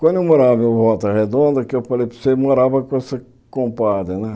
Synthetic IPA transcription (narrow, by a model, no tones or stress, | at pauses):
kʷwɐ̃nd̪ewmoɾavɐmevɔt̪ʊɐhed̪õnd̪ɐkɪewfalejpo̥semoɾavɐkõɛsɐ | kõmpad̪ɐnɛ̃